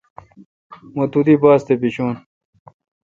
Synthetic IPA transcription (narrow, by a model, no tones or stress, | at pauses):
mot̪ud̪ibaːst̪ebiɕuːn